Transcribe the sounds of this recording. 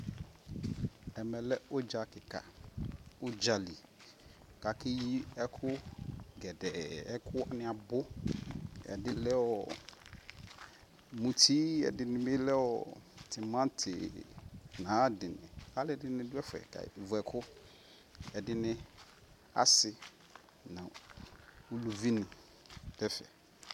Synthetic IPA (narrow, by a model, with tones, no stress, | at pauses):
ɛ˨mɛ˨lɛ˦o˦d͡ʒa˨kɪ˨ka̰˨ | ʊ˦d͡ʒa˨li˨ | ka˨kɪ˦ji˦ɛ˦kʰʊ˦ɡɛ˨dɛ˨ɛ˦kʰʊ˦wa˨nɪ̃˨a˨bʊ˦ | ɛ̰˨dɪ˨lɛ˦wɔ˨ | mũ˨tʰi˦ɛ̰˨dɪ˨nɪ̃˨me˦lɛ˦wɔ̰˨tʰɪ˨mã˦tʰɪ̰˨nã˨˦dɪ˨nɪ̰̃˨a˦lɪ˦dɪ˦nɪ̃˦dʊ˦ɛ˦fʊ˨ɛ̰˨ɡa̰˨vʊ˨ɛ˨kʰʊ˦ | ɛ˨dɪ˦nɪ̃˦ | a̰˦sɪ˨ | nã˨ | u˨lu˨vi˦nɪ̃˨ | d̥ɛ˦fɛ̰˨